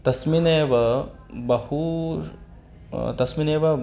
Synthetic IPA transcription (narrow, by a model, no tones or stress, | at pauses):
t̪ɐsmineːʋɐ | bɐhu | t̪ɐsmineːʋɐ